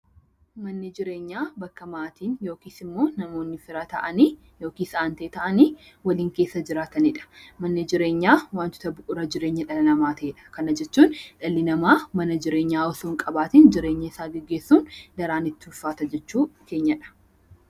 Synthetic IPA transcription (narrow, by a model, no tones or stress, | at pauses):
mɐnːɪd͡ʒɪɾe̞ːɲːaːbɐkːɐmaːt̪iːnjo̞ːkiːsɪmːo̞ːnɐmo̞ːnːɪfɪɾat̪ɐʔɐniː | jo̞ːkiːsaːnt̪eːt̪ɐʔɐniː | wɐliːŋke̞ːsːɐd͡ʒɪɾaːt̪ɐnɪᶑɐ̥mɐnːɪd͡ʒɪɾe̞ːɲːaːwaːnt̪ʊ̥t̪ɐbʊʔʊɾɐd͡ʒɪɾe̞ːɲːɐᶑɐlɐlɐmaːt̪ʰɐeᶑɐ̥kɐnɐd͡ʒɛt͡ʃːuːnᶑɐlːɪnɐmaːmɐnɐd͡ʒɪɾe̞ːɲːaːɔsoːŋkʼɐbaːt̪iːnd͡ʒɪɾe̞ːɲːɐɪsaːɡɛɡːeːsːuːnd̪ɐɾaːnɪt̪ːɪʊfːaːt̪ɐd͡ʒɛt͡ʃːuːke̞ːɲːɐᶑɐ̥